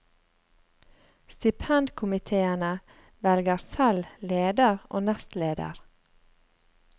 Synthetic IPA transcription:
st̪ɪpʰɛnd̪kʰʊmɪt̪ʰeːənə | ʋɛlɡəɾsɛlleːd̪əɾʔo̰ːnɛst̪leːd̪ə̰ɾ

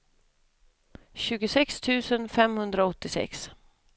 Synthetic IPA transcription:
ɕʉ̟ːɡʊsɛkst̪ʰʉ̟ːsənfɛmhɵnd̪ɾaɔt̪ːɪsɛ̰ks

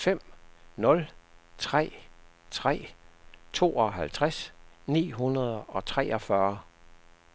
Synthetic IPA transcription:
fem̰nɔ̽lt͡sʰʁɛ̰ːt͡sʰʁɛ̰ːt͡sʰo̝̰ːɒ̽ɦælt͡sʰʁasnḭːɦunɐð̞ˠɒ̽t͡sʰʁɛɒfɶːɐ

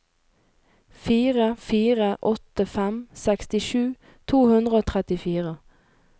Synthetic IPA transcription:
fiːʁəfiːʁəʔɔt̪əfɛmsɛkst̪ɪʃʉː | t̪ʰuːhʉnd̪ʁəoːt̪ʰʁɛt̪ɪfiːʁə

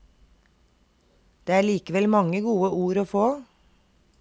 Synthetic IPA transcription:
d̪̥eːæːɭiːkəʋɛlmɑŋəɡuːəʔuːɾoːfoː

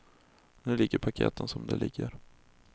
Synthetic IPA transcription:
nʉːlɪɡːəɾpʰakʰḛːt̪ənsɔmd̪ɛlɪɡːəɾ

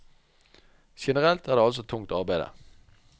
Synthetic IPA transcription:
ʃɛnəʁɛlt̪æːʁd̪eːɑls̬ɔt̪ʰʊŋt̪ɑʁbæɪd̪ə̰

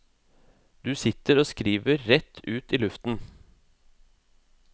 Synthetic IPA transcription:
d̪ʉːsɪt̪əɾoːskɾiːʋəɾːɛt̪ʰʉːt̪iːlʉft̪n̩

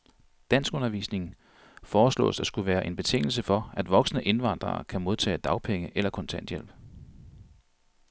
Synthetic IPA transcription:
d̥æn̰sɡ̥ɔ̽nɐʋḭːsne̝ŋ̩ | fɒːslɔ̰̽ːsd̥æsɡ̥uʋæːɐʔe̝nb̥e̝t͡sʰe̝ŋ̰l̩səfɒ̽æd̥ʋɒ̽ɡ̥sənəʔe̝nʋɑ̈n̰d̥ʁɐ̰ːkʰæmo̝ðˠt͡sʰɛ̰ːd̥ɑ̈ʊpʰeŋəʔelɐkʰɒ̽nt͡sʰænd̥jel̰b̥

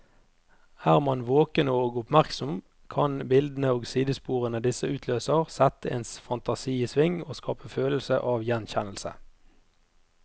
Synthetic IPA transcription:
æːʁmɑnʋoːkənəoːɡʊpmæʁksɔm | kʰɑnbɪld̪n̩əoːɡsiːd̪əspuːʁənəd̪ɪsəʉːt̪ʰløːsəʁsɛt̪əeːnsfɑnt̪ɑsiːiːsʋɪŋoːskʰɑ̰ːpəføːləlsə̰ʔɑːʋjɛnçɛnlsə̰

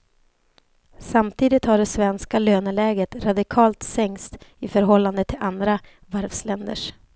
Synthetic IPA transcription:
samt̪ʰiːd̪ɪt̪haɖɛsvɛnskaløːnəlɛːɡət̪ɾad̪ɪkʰɑːlt̪sɛŋst̪ɪfœɾɦɔlːand̪ət̪ʰːɪlʔand̪ɾa | væɾvslɛnd̪ə̰ʂ

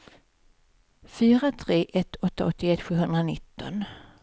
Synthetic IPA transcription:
fyːɾat̪ʰɾeːʔɛt̪ːɔt̪ːa̰ɔt̪ʰːɪɛt̪ːɧʉ̟ːɦɵnd̪ɾanɪt̪ːɔ̰n

